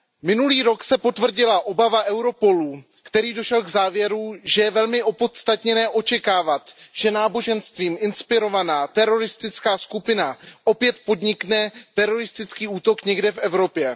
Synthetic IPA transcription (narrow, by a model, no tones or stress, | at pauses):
mɪnuliːɾo̞ksɛpo̞t̪vr̩ɟɪlaʔo̞bavaʔɛwɾo̞po̞lu | kt̪ɛɾiːdo̞ʃɛlɡzaːvjɛɾuʒɛjɛvɛlmɪʔo̞po̞t̪st̪at̪ɲɛnɛːʔo̞t͡ʃɛkaːvat̪ʒ̥ɛnaːbo̞ʒɛnst̪viːmʔɪnspɪɾo̞vanaːt̪ɛɾo̞ɾɪst̪ɪt͡skaːskupɪnaʔo̞pjɛt̪po̞dɲɪknɛt̪ɛɾo̞ɾɪst̪ɪt͡skiːuːt̪o̞kɲɛɡdɛfɛvɾo̞pjɛ